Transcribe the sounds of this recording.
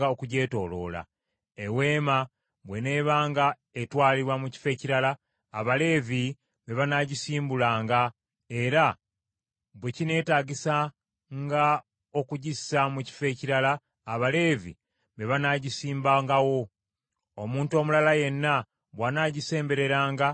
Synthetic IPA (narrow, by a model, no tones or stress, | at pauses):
ao̞kuɟe̞ːto̞lo̞̰la̰ | ewe̞ːma | βwe̞ne̞ːβaːŋɡa | etwaːliβwamuci̥fe̞ciɾalaː | βale̞ːvi | βe̞βanaːɟisiːmbulaːŋɡa | e̞ɾa | βwe̞cine̞ːtaːɟisa | ŋɡa | o̞kuɟisamuci̥fe̞ːciɾalaː | βale̞ːvḭ | βe̞βanaːɟisiːmbaŋɡawo̞ | omuːnto̞mulalaje̞nːa | βwanaːɟise̞ːmbe̞ɾe̞ɾaːŋɡa